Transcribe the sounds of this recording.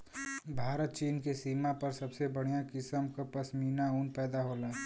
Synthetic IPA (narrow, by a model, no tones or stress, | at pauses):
bʱaːɾət̪̚t͡ʃiːnkesiːmapəɾsəbsebəɽ̤ijãkɪsəmkapɐsmiːnaʊnpɛːd̪aɦoːlaː